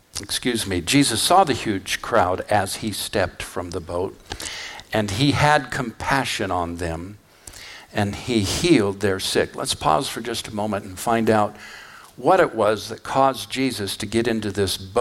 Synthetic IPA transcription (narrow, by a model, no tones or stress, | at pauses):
ɨkskjʉzmid͡ʒizɨsɔðɨhjʉd̥ʒ̥kʰɹ̥aʊɾɨz̥istɛp̚tfɹʌ̃mðəboʊt̚ | ɨ̃niɨd̚kʰə̃m̩pʰæʃɨ̃nə̃nðɨ̃m | ɨ̃nihilˠd̪̚ðə˞sɪklə̰tspʰɔ̰z̥fə˞d͡ʒʌstəmõʊ̃mɨ̃nn̩fãɪ̃ndaʊt̚wʌɾɨʔwʌzðɨt̚kʰɔzd͡ʒizɨstʰɨɡɛɾɪ̃ntʉðɪsb